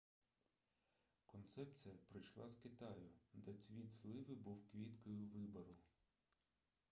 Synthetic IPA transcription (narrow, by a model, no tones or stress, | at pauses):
kɔnt̪sɛpt͡sʲijɐpɾɪjʃlˠɑzkɪt̪ɑjʊd̪ɛt͡sʲʋʲit̪ʲslˠɪʋɪbuwkʋʲit̪kɔjʊʋɪbɐɾʊ